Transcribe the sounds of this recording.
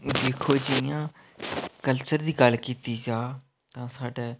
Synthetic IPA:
d̪eːkʰoːd͡ʒɪjãː | kəlt͡ʃəɾd̪iːɡəlkiːt̪iːd͡ʒaː | t̪ãːsaːɖeː

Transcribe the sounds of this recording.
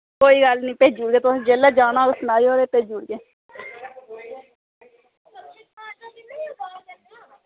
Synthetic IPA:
koːiːɡəlnĩːpeːd͡ʒuːɽɡeːt̪ʊsĩːd͡ʒeːlaːd͡ʒaːnãːksʊnaːioːɾeːpeːd͡ʒuːɽɡeː

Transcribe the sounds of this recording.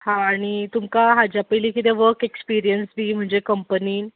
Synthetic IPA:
hãːɽ̃it̪umkaɦad͡ʑjapəjlikit̪eʋəɾkekspiɾijənsbim̤əɳd͡ʑekəmpəniːn

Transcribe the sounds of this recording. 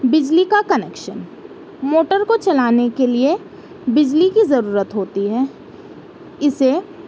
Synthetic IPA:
bɪd͡ʒlikakɐnɛːkʃən | moːʈəɾkot͡ʃɐlaːnekelie | bɪd͡ʒlikizɐɾuːɾət̪ɦoːt̪iɦɛː | ɪse

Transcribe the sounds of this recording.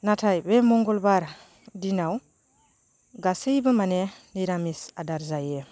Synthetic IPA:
natʰajbemɔŋɡɔlbaɾ | dinaw | ɡasejbɯmanɛniɾamisadaɾzaje

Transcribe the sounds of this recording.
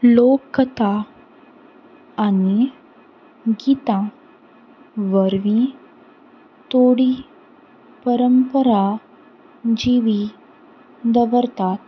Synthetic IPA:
lokːət̪a | ni | ɡiːt̪ã | ʋəɾʋĩ | t̪oɽi | pəɾəmpəɾa | d͡ʑiʋi | d̪əʋəɾt̪at̪̚

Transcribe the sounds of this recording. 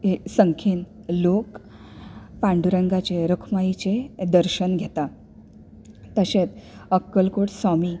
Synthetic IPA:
esəŋkʰiːnlok | pãɳɖuɾəŋɡat͡ɕeɾəkʰmajit͡ɕed̪əɾɕənɡʱet̪a | t̪əɕet͡səkːəlkoʈsɔmiː

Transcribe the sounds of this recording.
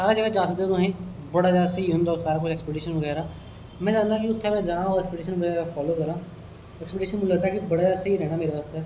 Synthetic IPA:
saːɾad͡ʒəɡad͡ʒãːsək̚d̪et̪õɦẽː | bɐɽaːd͡ʒaːd̪seiɦʊmd̪aosaːɾaːkʊt͡ʃʰɛkspeɖiːʃənʋəɡɛːɾaː | mɛ̃ːd͡ʒaːnd̪aːkiʊt̪ʰːamɛ̃ːd͡ʒaːãoɛkspeɖiːʃ̬ənʋɐɡɛːɾaːfʰɔːloːkɐɾãː | ɛkspeɖiːʃənmʊ̃lət̪aːkibɐɽad͡ʒaːd̪seiɾɛːɽaːmeːɾeʋaːst̪eɦɛː

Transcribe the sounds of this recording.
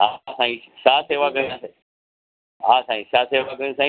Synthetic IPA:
ɦasãːĩːsaːseːʋakəĩaːseː | ɦaːsãːĩːsaːseːʋakəɾĩsãːĩ

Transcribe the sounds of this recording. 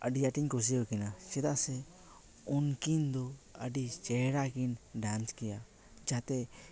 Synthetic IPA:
ə̰ɖijaʈiɲkɔs̬iɔkinasɛd̪asɛ | ɔnkind̪ɔəɖit͡ʃɛɾakinɖanskɛja | d͡ʒat̪ɛ

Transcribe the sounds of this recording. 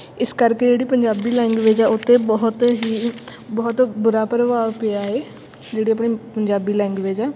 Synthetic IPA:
ɪskəɾkeːd͡ʒeːɽiːpəɲd͡ʒaːbiːlɛ̃ːŋɡʋeːd͡ʒaːʊt̪ʰːẽːbɔːt̪ɦiːbɔːt̪bʊɾaːpəɾəʋaːpeaːeː | d͡ʒeːɽiːap̬ɳiːpəɲd͡ʒaːbiːlɛ̃ːŋɡʋeːd͡ʒaː

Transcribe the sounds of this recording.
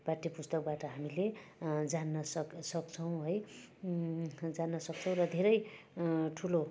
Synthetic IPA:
b̥aʈːipust̪ʌk̚baʈʌɦamiled͡zanːʌsʌksʌkt͡sʰʌw̃ɦʌj | d͡zanːʌsʌkt͡sʰʌw̃rʌd̪ʱeɾʌj | ʈʰulo

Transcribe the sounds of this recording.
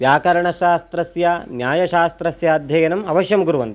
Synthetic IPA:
ʋjaːkɐɾɐɳɐʃaːst̪ɾɐsjɐnjaːjɐʃaːst̪ɾɐsjɐːd̪ʱjɐjɐnɐmɐʋɐʃjɐmɡuɾuʋɐnt̪

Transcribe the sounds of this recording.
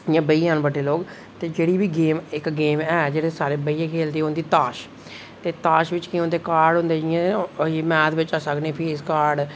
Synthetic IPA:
jãːbəiːjãːnbəɖeːloːɡ | t̪eːd͡ʒeːɽiːbiːɡeːmɪkɡeːmɛːd͡ʒeːɽeːsaːɾeːbəiːjãːkʰeːld̪eːʊnd̪iːt̪aːʃ | t̪eːt̪aːʃʋɪt͡ʃkɪõnd̪eːkaːɾɖɦʊ̃nd̪eːɪãːmɛːt̪ʋɪt͡ʃaːsəknẽːpʰeːskaːɾɖ

